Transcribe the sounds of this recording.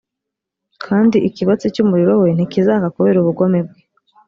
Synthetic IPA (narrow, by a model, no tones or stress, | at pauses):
kʰaːndiʔikiβat͡sicumuɾiɾowe̞n̥ikizaːɡakuβe̞ːɾuβuɡo̞meb̚ɡe